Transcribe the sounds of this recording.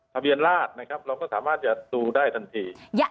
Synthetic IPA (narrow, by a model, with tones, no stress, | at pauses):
t̪ʰa˧bi˧ənlaː˥˩t̪̚na˦˥kʰɾa˦˥p̚ɾa˧wkɔː˥˩saː˩˦maː˥˩t̪̚t͡ɕa˨˩ʔt̪uː˧daː˥˩jt̪ʰa˧nt̪ʰiː˧